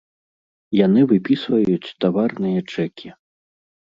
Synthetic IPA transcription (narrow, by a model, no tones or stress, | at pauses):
janɨvɨpʲisvɐjut͡sʲt̪avarnɨjɐt͡ʂɛkʲi